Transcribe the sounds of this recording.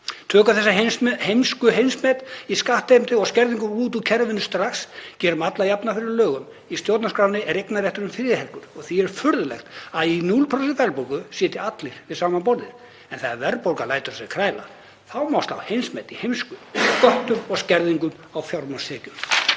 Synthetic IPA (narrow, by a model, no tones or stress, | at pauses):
t̪ʰœːkaθɛsːahejmskʏɦejnsmɛt̪iskaht̪ɪmt̪ɪɔɣscɛɾðiŋkʏmuːt̪̬ucʰɛɾvɪnʏst̪ɾaxscɛːɾʏmat̪lajapnafɪɾɪɾlœːɣʏm | ist̪jowt̪naskɾawnɪʔɛɾejknaɾrjɛht̪ʏɾʏmfɪɾɪhɛlkʏɾ̥ɔɣθiɛɾ̥fʏɾðʏlɛ̰xt̪aðinulpʰɾɔsɛfɛlpowkʏsjɛːt̪ɪat̪lɪɾ̥vɪðsaːmanpɔɾðɪð | ɛnθaavɛɾpowɾkalaːjt̪ʏɾ̥sɛɣkʰɾaːjla̰ | θawmast̪a̰whejnsmɛt̪ihejmskʏkɔht̪ʏmɔɣscɛɾðiŋkʏm | awfjawɾmɔnst̪ʰɛːcʏm